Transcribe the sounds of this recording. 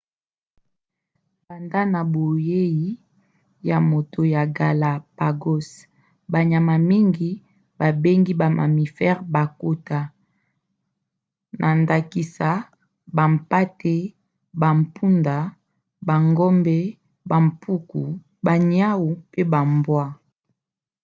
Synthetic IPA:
ba˨nda˦na˨bo˨je˦ji˦ | ja˨mo˨tʰo˨ja˨ɡa˨la˨pa˨ɡo˦s | ba˨ɲa˨ma˨mi˦ŋɡi˨ | ba˨be˦ŋɡi˦ba˨mʔa̰˨mi˨fɛ˦ʁba˨ko˦ta˨ | nʔa˨nda˨ki˨sa˨ | ba˨m˨pa˦te˦ | ba˨m˨pu˦nda˨ | ba˨ŋɡɔ˦mbɛ˦ | ba˨m˨pʰu˦ku˨ | ba˨ɲja˦wu˨pe˦ba˨mbwa˦

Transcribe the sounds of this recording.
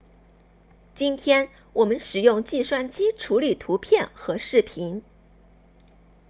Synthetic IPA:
t͡ɕi˥nt̪ʰjɛ˥n | wʔɔ˨˩mə˦nʂɻ̩˨˩jʊ˥˧ŋt͡ɕi˥˧swa˥˩nt͡ɕi˥ʈ͡ʂʰu˧˥li˨˩t̪ʰu˧˥pʰjɛ˥˩nxɤ˧˥ʂɻ̩˥˩pʰi˧˥n

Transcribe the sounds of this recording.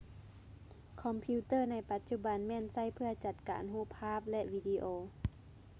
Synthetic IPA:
kʰɔ˧˦mpʰi˧˥t̪ɤː˥˩na˧˩jpa˧˦t̪̚t͡ɕu˧˥ba˨˦nmɛː˧˥˨nsa˧˥˩jpʰɯ˧˩ɐt͡ɕa˧t̪̚ka̰ː˨nɦuː˧˥˩pʰːaː˥˨p̚lɛ˧ʔʋiː˧diː˧ʔoː˧

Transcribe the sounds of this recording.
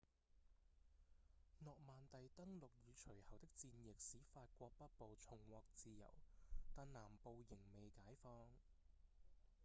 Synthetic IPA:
nɔː˨k̚maː˨nt̪ɐ˨jt̪ɐ˥ŋlʊ˨k̚jyː˨˧t͡ʃʰɵ˨˩ɥhɐ˨wt̪ɪ˥k̚t͡siː˧njɪ˨k̚siː˨˥faː˧t̚kʷɔː˧k̚pɐ˥t̚po˨wt͡sʰʊ˨˩ŋwɔː˨k̚t͡siː˧jɐ̰˨˩wt̪aː˨nnaː˨˩mpo˨˧wjɪ˨˩ŋme˨jkaː˨˥jfɔː˧ŋ

